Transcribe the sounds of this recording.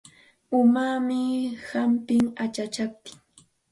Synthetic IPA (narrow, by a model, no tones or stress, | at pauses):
ʊmaːmɪhampɪŋat͡ʃat͡ʃap̚t̪ɪ̥ŋ